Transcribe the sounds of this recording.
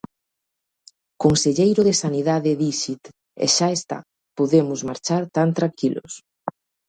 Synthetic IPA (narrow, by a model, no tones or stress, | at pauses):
konseʎejɾʊðesaniðaðeðiʃit̪ | ḛʃaest̪a̰ | poðemʊzmaɾt͡ʃaɾt̪ant̪ɾaŋkilʊ̰s